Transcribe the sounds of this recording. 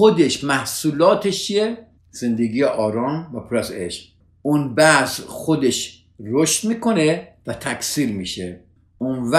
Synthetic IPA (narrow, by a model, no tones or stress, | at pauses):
xod̪eʃmæhsuːlɒːt̪ʰeʃt͡ʃʰie | z̥e̞nd̪eɡiːjeʔɒːɾɒːnvæpʰɾeseʃ | ʔunbæzxod̪e̞ʃ | ɾoʃt̪miːkʰo̞nevæt̪ʰækʰʲsiːɾmiːʃe | ʔunvæ